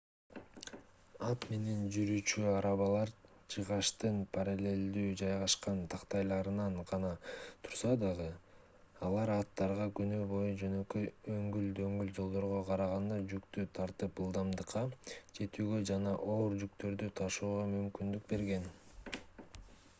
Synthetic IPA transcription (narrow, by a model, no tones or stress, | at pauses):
ɑt̪me̞ne̞nd͡ʒyɾyːt͡ʃyɑɾɑβɑlˠɑɾ | t͡ʃʰɯʁɑʃt̪ɯnpʰɑɾɑlʲe̞ld̪yːd͡ʒɑjʁɑʃqɑnt̪ʰɑqt̪ɑjlˠɑɾɯnɑɴqɑnɑt̪ʰu̥ɾsɑd̪ɑʁɯ | ɑlˠɑɾɑt̪ːɑɾʁɑkynybo̞jud͡ʒø̞nø̞køøŋɡyld̪øŋɡyld͡ʒo̞lˠd̪o̞ɾʁo̞qʰɑɾɑʁɑnd̪ɑd͡ʒykt̪yt̪ʰɑɾt̪ɯpɯlˠd̪ɑmd̪ɯqʰːɑd͡ʒʰe̞t̪yːɡø̞d͡ʒɑnɑʔo̞ːɾd͡ʒykt̪ø̞ɾd̪yt̪ʰɑʃuːʁɑmymkynd̪yk̚be̞ɾɡe̞n